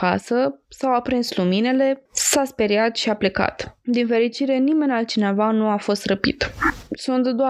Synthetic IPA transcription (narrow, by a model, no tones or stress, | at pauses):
ka̰səsawapɾinslumine̞le̞saspeɾiat̪ʃiaple̞ka̰t̪d̪infe̞ɾit͡ʃiɾe̞nime̞nʲalt̪̚t͡ʃine̞vanuafo̞st̪rəpḭt̪sunt̪d̪oa